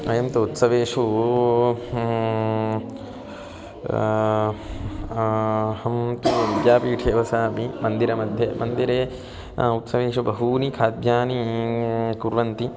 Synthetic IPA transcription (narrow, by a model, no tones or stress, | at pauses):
ɐjɐmt̪ɐut̪sɐʋeːʂu | hɐmt̪uʋid̪jaːpiːʈʰeːʋɐsaːpimɐnd̪iɾɐmɐd̪ʱjɐmɐnd̪iɾeː | ut̪sɐʋeːʂubɐɦuːnikʰaːd̪jaːni | kuɾʋɐnt̪i